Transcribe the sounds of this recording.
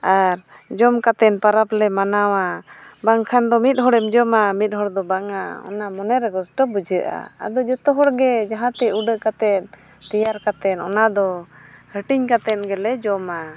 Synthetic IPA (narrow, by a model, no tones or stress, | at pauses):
aɾ | d͡ʒɔmkat̪ɛnpaɾaplɛmanawabaŋkʰand̪ɔmit̪̚ˀɦɔɽɛmd͡ʒɔmamit̪̚ˀɦɔɽd̪ɔbaŋaɔ̰namɔnɛɾɛɡɔsʈɔbəd͡ʒəʔa̰a̰d̪ɔd͡ʒət̪ɔɦɔɽɡɛd͡ʒaɦãt̪ɛuɖəʔkat̪ɛn | t̪ɛjaɾkat̪ɛnɔnad̪ɔhəʈiɲkat̪ɛnɡɛlɛd͡ʒɔma